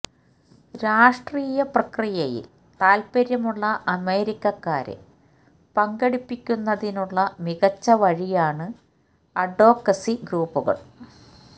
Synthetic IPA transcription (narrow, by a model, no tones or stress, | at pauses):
ɾaːʂʈriːjɐprɐkrijɐjḭl | t̪aːlpɐɾjɐmuɭːɐʔɐme̞ːɾikʲːɐkːaːɾḛ | pɐŋɡeɽipːikʲːunːɐðinuɭːɐmiɣɐt͡ɕːɐʋɐɻijaːɳɨ | ɐɖo̞ːkːɐsiɡruːpːuɣɐ̰ɭ